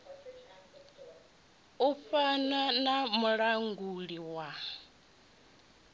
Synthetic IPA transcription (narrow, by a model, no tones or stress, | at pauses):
upananamuɺaŋɡuɺiwa